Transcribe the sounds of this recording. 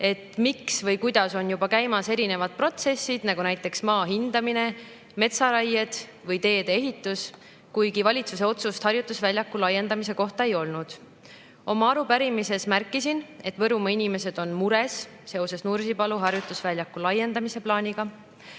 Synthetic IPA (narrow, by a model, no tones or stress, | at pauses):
e̞t̪miksvɤjkujd̪̥ɑso̞njubɑkæjmɑse̞ɾine̞vɑd̪̥̚pro̞t̪se̞sːid̪̥nɑɡ̥unæjt̪ˑːe̞ksmɑːɦind̪ɑmine̞ | me̞t̪sɑɾɑjed̪̥ | vɤjt̪e̞ːd̪̥eeɦit̪ːˑus | kujɡivɑlʲit̪suse̞o̞t̪sust̪hɑɾjut̪ːˑusvælʲjɑkːulɑjːe̞nd̪ɑmise̞ko̞ht̪ɑe̞jo̞lnud̪̥ | o̞mɑɑɾupæɾimise̞smærkːˑisine̞t̪ːvɤ̞ɾumɑinime̞se̞d̪̥o̞nmuɾe̞s | se̞o̞se̞snursipɑluɦɑrjut̪ːˑusvælʲjɑkːˑulɑje̞nd̪ɑmise̞plɑːnʲiɡ̥ɑ